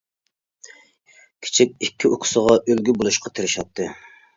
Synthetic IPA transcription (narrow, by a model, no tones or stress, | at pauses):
kʲʰi̥t͡ʃʰikʲikʲʰːiokʰʊ̥səʁɑʔølɡʲybolˠuʃqʰɑt̪ʰeɾɪʃɑt̪ʰːɨ